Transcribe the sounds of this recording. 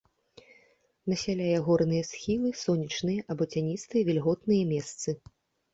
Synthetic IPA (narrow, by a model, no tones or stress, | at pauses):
nɐsʲalʲajɛɣɔrnɨjɐsxʲilˠɨsɔnʲit͡ʂnɨjɐʔɐbɔt͡sʲanʲit̪st̪ɨjɐvʲɛlʲɣɔt̪nɨjɐmʲɛst̪sɨ